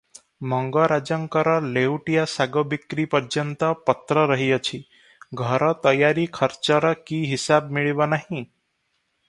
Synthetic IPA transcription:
mɔŋɡɔɾad͡ʒɔŋkɔɾɔlewʈijasaɡɔbikɾipɔɾd͡ʒjɔnt̪ɔpɔt̪ɾɔɾəɦiɔt͡ʃʰi | ɡʱɔɾɔt̪ɔjaɾikʰʌɾt͡ʃɔɾɔkiɦisabmiɭibɔnaɦĩ

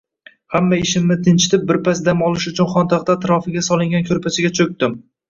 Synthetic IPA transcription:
hamːaɪʃɪmnɪt̪ʰɪnt͡ʃʰɪ̥t̪ʰɪp̚bɪɾpʰasd̪amɒlˠɪʃʊt͡ʃʰʊnχɒnt̪ʰaqt̪aːt̪ʰɾɒfɪɡʲasɒlˠɪŋɡʲankʲʰɵɾpʰasɪɡʲat͡ʃʰɵk̚ʲt̪ɪm

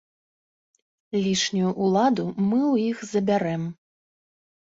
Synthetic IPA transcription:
lʲiʂnʲujuʔːlˠad̪umɨwjixzɐbʲaɾɛm

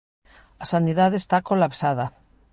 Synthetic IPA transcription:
asaniðaðeːst̪akolapsaða

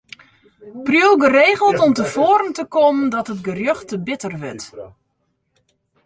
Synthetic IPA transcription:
prjowˠɡəreːɣəlˠtɔmtəfoːɾəntəkoməndɔtətɡərjøxtəbɪtərʋɪt

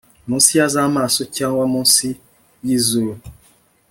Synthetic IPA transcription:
munsiazamasotjãŋwamunsi | jizo

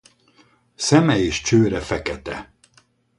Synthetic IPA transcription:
sɛmɛeːʃt͡ʃøːɾɛfɛkɛt̪ɛ

